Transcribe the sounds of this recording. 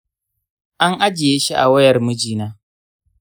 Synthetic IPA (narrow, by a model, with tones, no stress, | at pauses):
ʔa˦ŋʔa˦d͡ʒɪ˨je˦ʃi˦ʔa̰˨wɐ˦jɐ˨rmu˦d͡ʒiː˦naː˦